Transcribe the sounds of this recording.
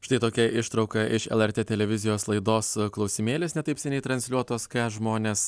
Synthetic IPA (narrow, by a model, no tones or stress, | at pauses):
ʃʲɪ̥t̪ɐɪt̪oːkʲɛɪʃt̪ɾɒʊkɐʔɪʃɛ̰lˠɛɾʲt̪ʲeːt̪ʲɛlʲɛʋʲɪzʲɪjoːslˠɐɪd̪oːsklˠɒʊsʲɪmʲeːlʲesnʲɛt̪ɐɪpsʲɛnʲɛɪt̪ɾɐnʲsʲlʲuɔt̪oːskɑʒmoːnʲeːs